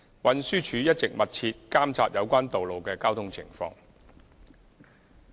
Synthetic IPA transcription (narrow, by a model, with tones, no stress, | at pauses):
wɐ˨˧nsyː˥t͡ʃʰyː˨˧jɐ˥t̚t͡sɪ˨k̚mɐ˨t̚t͡sʰiː˧t̚kaː˥mt͡saː˧t̚jɐ˨˧wkʷaː˥nt̪o˨wlo˨wkɛː˧kaː˥wt̪ʰʊ˥ŋt͡sʰɪ˨˩ŋfɔ̰ː˧ŋ